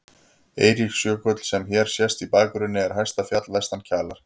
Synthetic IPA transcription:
ḛːjɾixsjœːkœt̪l̥sɛmçɛɾ̥sjɛst̪ipaːkʏɾʏnːɪɛɾ̥ɦajst̪afjat̪lvɛst̪ancʰaːlaɾ̥

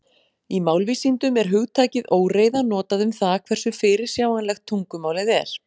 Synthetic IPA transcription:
imawlvisint̪ʏmɛɾ̥ɦʏɣt̪ʰaːcɪðoːwreːjðanɔːt̪aðʏmθaðkʰv̥ɛr̥sʏfɪːɾɪɾ̥sjaːwanlɛxt̪ʰːuŋkʏmaːwlɪðɛɾ̥

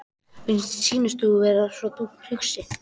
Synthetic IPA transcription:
insiːnast̪uvɛɾasɔt̪um̥hʏksɪ

